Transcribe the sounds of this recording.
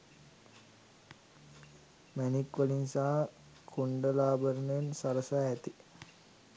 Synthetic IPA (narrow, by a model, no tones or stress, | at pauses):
mænikʋəlinsaː | kʰuɳɖəlaːbəɾənəensaɾəsaːæt̪i